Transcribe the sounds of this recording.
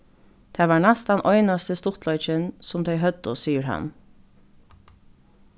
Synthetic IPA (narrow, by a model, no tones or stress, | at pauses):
t̪ʰɛːʋɑːɹɳɛst̪anʔɔʏnast̪əst̪ʊt̪ʰlɔʏt͡ʃənsʊmd̪ɛɪɦœd̪ʊsiːəɹɦa̰n